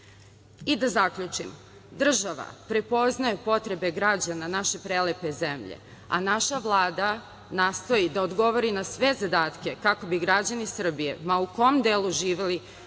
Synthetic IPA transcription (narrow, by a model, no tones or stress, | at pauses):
id̪azakʎut͡ʃimo | d̪r̩ʒaʋa̰pɾe̞po̞znajupo̞t̪ɾe̞be̞ɡɾad͡ʑananaʃe̞pɾelepe̞zemʎḛ | a̰naʃaʋlˠaːd̪a | naːst̪o̞jid̪aod̪ɡo̞ʋo̞ɾinasʋe̞zad̪aːt̪ke̞kako̞biɡɾad͡ʑanisr̩bije̞̰mauko̞md̪eːlˠuʒiːʋeli